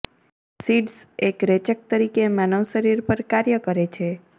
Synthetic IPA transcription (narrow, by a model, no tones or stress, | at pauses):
siɖsekɾet͡ʃək̚t̪əɾikemanəʋʃəɾiɾpəɾkaɾjəkəɾet͡ʃʰe